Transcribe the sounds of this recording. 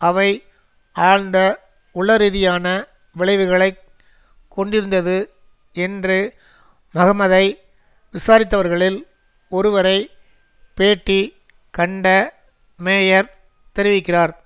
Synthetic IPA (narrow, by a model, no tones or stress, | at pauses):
ɐʋɐɪ | aːɻnd̪ɐ | ʊɭːɐɾiːðɪjaːnɐ | ʋɪɭɐɪʋɯɣɐɭɐɪk | kʰːɔɳɖɪɾɯnd̪ɐðɯ | ɛndrɯ | mɐɣɐmɐðɐɪ | ʋɪsaːɾɪt̪̬ːɐʋɐɾɣɐɭɪl | ɔɾɯʋɐɾɐɪ | peːʈːi | kɐɳɖɐ | meːjɐɾ | t̪ɛɾɪʋɪkːɪraːɾ